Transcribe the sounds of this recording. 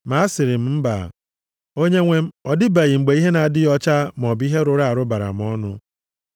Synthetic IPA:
ma˨˦a˦sɪ˨ɾɪ˨m̩˦m̩˦ba̰˨ | o˦ɲe˦ŋʷe˦m̩˦ɔ˨dɪ˦ba˨ɣi˨ŋ͡m̩˨ɡ͡be˨˦i˦ɦe˦na˨dɪ˦jɔ˦t͡ʃa˦m˨ɔ˨bi˦ɦe˦ɾʊ˨ɾa˦a˨ɾʊ˦ba˨ɾa̰˨m̩˨˦ɔ˦nʊ̰˦

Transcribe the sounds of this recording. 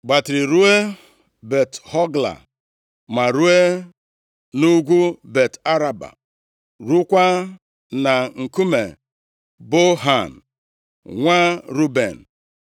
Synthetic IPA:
ɡ͡ba˨tɪ˨ɾi˨ɾu˦e˦ | be˨thɔ˦ɡla̰˨ | ma˨ɾu˦e˦ | nu˦ɡʷu˦be˨ta˦ɾa˨ba̰˨ | ɾu˦kʷa˦ | na˨ŋ̩˨ku˦me˨ | bo˦ɦa˨n̩˨ | ŋʷa˦ɾu˦bḛ˨n̩˨

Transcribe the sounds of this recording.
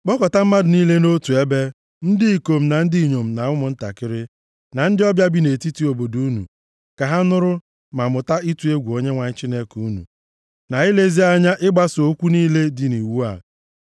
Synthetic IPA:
k͡pɔ˦kɔ˨ta˦m̩˦ma˦dʊ˨niː˦le˦no˦tu˨e˦be˦ | n̩˦dɪ˦i˨ko˨m̩˨na˨n̩˦di˦i˨ɲo˨m̩˨na˨ŋʊ˦mʊ˨n̩˦ta̰˨kɪ˦ɾɪ˦ | na˨n̩˦dɪ˦ɔ˦bja˦bi˦ne˨ti˦ti˦o˨bo˨du˦nṵ˨ | ka˨ɦa˦nʊ˦ɾʊ˦ | ma˨mʊ˨ta˦i˦tu˨e˦ɡʷu˨o˦ɲe˦ŋʷa˨ɲ̩˦t͡ʃi˦ne˦ku˦nṵ˨ | na˨i˦le˦zi˦a˦ɲa˦ʔɪ˦ɡ͡ba˦so˦kʷu˦niː˦le˦dɪ˨ni˨wu˦a˨

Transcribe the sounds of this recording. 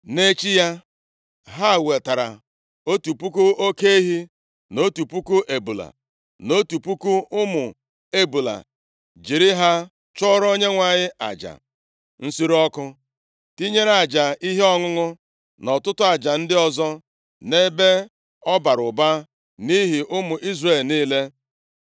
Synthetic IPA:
ne˦t͡ʃi˦ja˦ | ɦa˦˨we˨ta˨ɾa̰˨ | o˦tu˨pu˦ku˦o˦ke˦i˦ɦi˦ | no˦tu˨pu˦ku˦ʔe˨bu˨la̰˨ | no˦tu˨pu˦ku˦ʊ˦mʊ˨ | e˦bu˨la̰˨ | d͡ʒi˨ɾi˦ɦa˦ | t͡ʃɔ˦ɾo˦ɲe˦ŋʷa˨ɲɪ˦ʔa̰˨d͡ʒa̰˨ | n̩˦si˦ɾɔ˦kʊ˦ | ti˦ɲe˦ɾa˨d͡ʒa˨i˦ɦe˦ɔ˦ŋʊ˦ŋʊ˦ | nɔ˨tʊ˦tʊ˦a˨d͡ʒa˨n̩˦dɪ˦ɔ˦zɔ˦ | ne˦be˦ | ɔ˦ba˨ɾʊ˨ba˦ | ni˦ɦi˨ʔʊ˦mʊ˨ʔi˦zre˦˨lniː˦le˦

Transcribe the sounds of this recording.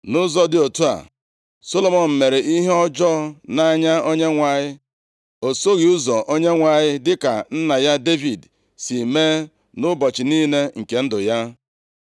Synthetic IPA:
nʊ˦zɔ˦dɪ˦˨o˨tu˦a̰˨ | so˦lo˨mɔ˨m̩˨me˨ɾe˨ʔi˦ɦe˦ɔ˦d͡ʒɔ˦na˦ɲa˦o˦ɲe˦ŋʷa˨ɲɪ˦ | o˨so˦ɣi˨u˦zɔ˨ʔo˦ɲe˦ŋʷa˨ɲɪ˦dɪ˦ka˨n̩˦na˨ja˦de˦vi˨d | si˨me˦ | nʊ˦bɔ˨t͡ʃɪ˨ni˦ne˦ŋ̩˨ke˨n̩˦dʊ˨ja˦

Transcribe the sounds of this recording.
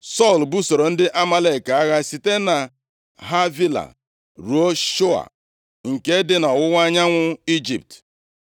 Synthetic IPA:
sɔ˦˨lbu˦so˨ɾo˨n̩˦dɪ˦ʔa˦ma˦le˨ka˨a˦ɣa˦si˨te˦na˨ | ɦa˦vi˦la̰˨ | ɾu˨˦o˦ʃo˦a̰˨ | ŋ̩˨ke˦dɪ˦nɔ˨wʊ˦wʷa˦ɲa˦ŋʷʊ˦i˦d͡ʒḭ˨p̚t

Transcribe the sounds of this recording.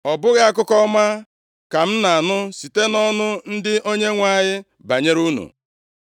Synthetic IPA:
ɔ˨bʊ˦ɣa˦a˦kʊ˦kɔ˦ma˦ | ka˨m̩˦na˨a˨nʊ˦si˨te˦nɔ˦nʊ˦n̩˦dɪ˦ʔo˦ɲe˦ŋʷa˦˨ɲɪ˦ | ba˨ɲe˦ɾu˦nṵ˨

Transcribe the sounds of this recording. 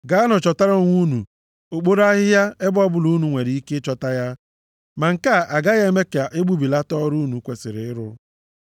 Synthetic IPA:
ɡa˦a˦nʊ˨t͡ʃɔ˨ta˦ɾo˦ŋʷu˦nu˨ | o˨k͡po˦ɾa˦ɦɪ˦ja˦e˦bɔ˦bʊ˨lu˦nu˨ŋʷe˨ɾɪ˨i˦ke˦t͡ʃɔ˦ta˦ja˦ | ma˨ŋ̩˨ka˦˨ʔa˨ɡa˦ɣe˦me˦ka˨ʔe˦ɡ͡bu˦bi˨la˦tɔ˦ɾu˦nu˨kʷe˨sɪ˨ɾɪ˨ɪ˦ɾʊ˦

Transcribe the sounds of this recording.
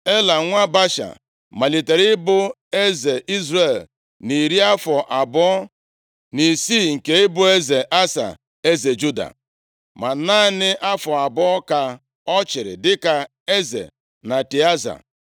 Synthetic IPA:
e˦la˨ŋʷa˦ba˦ʃa̰˨ | ma˨li˨te˨ɾɪ˦bʊ˦ | e˦ze˨ʔi˦zɾe˨l | ni˨ɾi˦a˦fɔ˨ʔa˨bɔ˦ɔ˦ | ni˨siː˦˨ŋ̩˨ke˦ɪ˦bʊ˦e˦ze˨ʔa˦sa̰˨ | e˦ze˨d͡ʒu˦da̰˨ | ma˨naː˦nɪ˦ʔa˦fɔ˨a˨bɔ˦ka˨ | ɔ˦t͡ʃɪ˨ɾɪ̰˨dɪ˦ka˨ | e˦zḛ˨ | na˨ti˨a˦za̰˨

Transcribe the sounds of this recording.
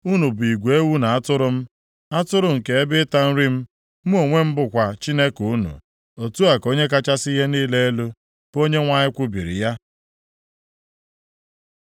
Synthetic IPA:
u˦nu˨bʊ˨i˨ɡʷe˨e˦wu˦na˨a˦tʊ˦ɾʊ˦m̩˦ | a˦tʊ˦ɾʊ˦˨ŋ̩˨ke˨e˦bɪ˦ta˦n̩˦ɾi˦m̩˦ | mu˦o˨ŋʷe˦m̩˦bʊ˨kʷa˨t͡ʃi˦ne˦ku˨˦nṵ˨ | o˨tu˦a˨ko˦ɲe˦k̬a˦t͡ʃa˦si˦ɦe˦niː˦le˦e˦lu˦ | bo˦ɲe˦ŋʷa˦ɲɪ˦kʷʊ˦bi˨ɾḭ˨ja˦

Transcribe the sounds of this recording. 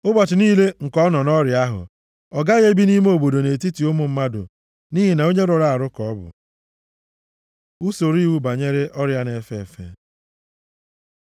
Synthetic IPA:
ʊ˦bɔ˨t͡ʃɪ˨niː˦le˦ŋ̩˨kɔ˦nɔ˨nɔ˦ɾja˦ɦʊ̰˨ | ɔ˨ɡa˦ɣe˦bi˦ni˦m˦o˨bo˨do˨ne˨ti˦ti˨ʊ˦mʊ˨m̩˦ma˦dʊ̰˨ | niː˦ɦi˨na˨o˦ɲe˦ɾo˨ɾa˨a˨ɾʊ˦kɔ˨ɔ˦bʊ̰˨ | u˦so˨ɾi˦˨wu˦ba˨ɲe˦ɾe˦ʔɔ˦ɾja˦ne˨fe˦˨fḛ˦

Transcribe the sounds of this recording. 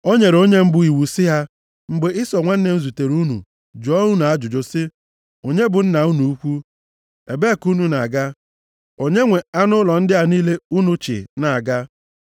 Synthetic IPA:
o˦ɲe˨ɾo˦ɲe˦m̩˦bʊ˨i˨wu˨sɪ˦ɦa˦ | ŋ͡m̩˨ɡ͡be˨ɪ˦sɔ˨ŋʷa˦n̩˦ne˨˦n̩˦zu˨te˨ɾu˦nṵ˨ | d͡ʒɔ˦u˦na˨a˦d͡ʒʊ˨d͡ʒʊ˨sɪ˦ | o˨ɲe˦bʊ˨n̩˦na˨u˦nu˨u˦kʷu˦ | e˨be˦˨ku˦nu˨na˨ɡa˦ | o˨ɲe˦ŋʷe˨a˦nʊ˦lɔ˨n̩˦dɪ˦ɦa˨niː˦le˦u˦nu˨t͡ʃɪ̰˨na˨a˨ɡa˦

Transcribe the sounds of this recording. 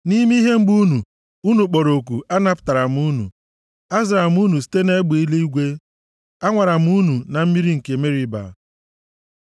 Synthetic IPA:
ni˦m˦i˦ɦe˦ŋ͡m̩˦ɡ͡bu˦nu˨ | u˦nu˨k͡pɔ˨ɾo˨k̬u˨a˦na˦pta˨ɾa˨m˦u˦nṵ˨ | a˦zɪ˨ɾa˨m˦u˦nu˨s̬i̥˦te˦ne˦ɡ͡be˨i˦le˦i˦ɡʷe˦ | a˦ŋʷa˨ɾa˨m̩˦u˦nu˨na˨m̩˦mi˦ɾi˦ŋ̩˨ke˨me˦ɾi˦ba̰˨

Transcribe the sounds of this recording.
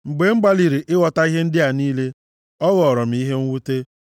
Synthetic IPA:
ŋ͡m̩˨ɡ͡be˨ŋ͡m̩˦ɡ͡ba˦li˨ɾi˨ʔɪ˦ɣɔ˨ta˦i˦ɦe˦n̩˦dɪ˦a˨niː˦le˦ | ɔ˦ɣɔ˨ɾɔ˨m̩˨˦i˦ɦe˦ŋ̩˦wu˦te˦

